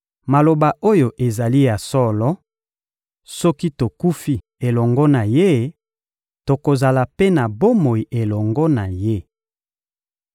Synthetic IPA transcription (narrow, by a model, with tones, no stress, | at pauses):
ma˨lo˨ba˨ʔo˦jo˨ʔe˨za˨li˦ja˨sɔ˦lɔ˦ | sɔ˦ki˦to˨ku˦fi˦ | e˨lɔ˨ŋɡɔ˦na˨je˦ | to˨ko˨za˨la˨pe˦na˨bo˦mo˨i˨ʔe˨lɔ˨ŋɡɔ˦na˨je˦